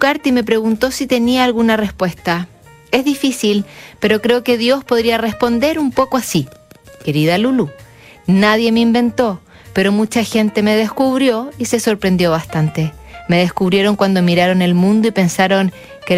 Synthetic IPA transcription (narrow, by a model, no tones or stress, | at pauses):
ukaɾt̪ime̞p̬ɾe̞ɣunt̪o̞sit̪e̞niaːlɣunarespwest̪a | e̞zðifisilpe̞ɾo̞kɾe̞oke̞ðjo̞spo̞ðɾiare̞spo̞nd̪e̞ɾumpo̞koasike̞ɾiðalulu | naðje̞meimbe̞nt̪o̞ | pe̞ɾo̞mut͡ʃaxe̞nt̪e̞me̞ð̞eskuβɾjo̞ise̞so̞ɾpɾe̞nd̪jo̞βast̪ant̪e̞me̞ð̞eskuβɾje̞ɾo̞ŋkwand̪o̞miɾaɾo̞ne̞lmũnd̪oipe̞nsaɾo̞ŋ | ke